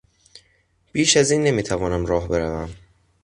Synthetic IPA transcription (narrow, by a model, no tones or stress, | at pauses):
b̥iːʃæziːnːe̞miːt̪ʰævɒːnæmɾɒːɦbe̞ɾævæm